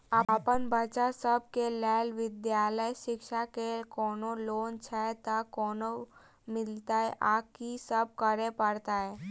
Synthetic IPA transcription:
apənbət͡ʃasəb̚kelɛːlʋɪd̪jaːləjʃɪkʃakekɔːnoloːnt͡ʃʰat̪akɔːno | mɪlt̪aɦɛʔaːkisəb̚kəɾepəɾt̪aɦɛː

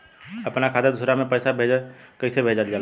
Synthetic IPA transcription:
əpnakʰaːt̪ed̪ʊsɾamẽpəjsabʱed͡ʒəkəɪsebʱeːd͡ʒald͡ʒaːl

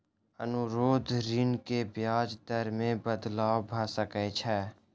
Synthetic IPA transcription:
ə̰nʊɾoːd̪ʱɾɪnkebjaːd͡ʒd̪əɾmẽbəd̪laːwbʱaːsəkɛt͡ʃʰɛː

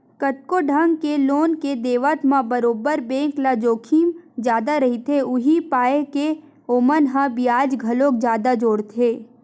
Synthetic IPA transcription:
kəʈ̚koɖʱə̃ŋɡkeloːnked̪eːʋət̪mãbəɾoːbəɾbẽːklad͡ʒoːkʰiːmd͡ʒjaːd̪aɾɐɦit̪ʰeʊɦipaːeke | oːmənɦãbijaːd͡ʒɡʱɐlõk̚d͡ʒjaːd̪ad͡ʒoːɽt̪ʰeː

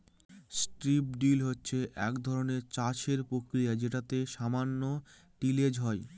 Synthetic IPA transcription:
sʈɾip̚ɖilɦotːɕʰeʔɛkd̪ʱɔɾoneɾt͡ɕaʃeɾpɾokɾijad͡ʑeʈat̪eʃamanːo | ʈiled͡ʑɦɔe

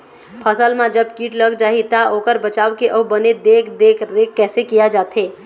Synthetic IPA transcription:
pʰəsəlmãd͡ʒəbkiːʈləɡd͡ʒaːɦit̪aʔokəɾbət͡ʃaːwkeʔəbəned̪ekʰd̪ekʰɾekːɛːsekijad͡ʒaːt̪ɦe

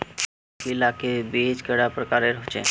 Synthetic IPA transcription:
keɪlaːkebeːd͡ʒkɛɽapɾəkaːɾeɾɦt͡ʃḛ

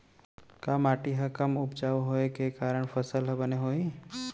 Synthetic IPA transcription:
kaːmaːʈiɦɐkɐmʊpt͡ʃaːoɦoːekekaːɾəɽ̃fʰəsəlɦəbəneɦoːi

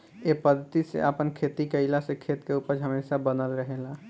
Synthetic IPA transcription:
epəd̪ʱət̪isḛʔəpənkʰet̪ikəɪlasekʰet̪keupəɾɦəmeːsabənəlɾəɦela

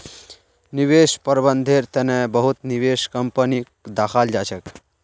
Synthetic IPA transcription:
niʋeʃpəɾbənd̪ʱeɾt̪ɛnebəɦut̪niʋeʃkəmpənikd̪axʰald͡ʒaʃək

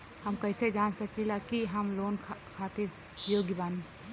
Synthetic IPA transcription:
hɐmkɐɪsed͡ʒaːnsɐkilakiɦɐmloːnkʰkʰaːt̪ɪɾ | joːɡibaːnẽ

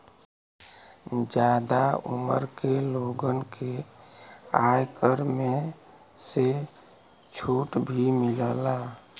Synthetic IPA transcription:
d͡ʒad̪aṵmə̰ɾkeloɡənkʰe | ajkəɾme | se | t͡ʃʰuʈbʱimiləla

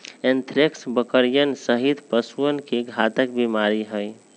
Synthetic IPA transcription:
ent̪ʰɾeksbəkəɾijənsəɦit̪pəsuənkeɡʱat̪ək̚bimaɾiɦəj

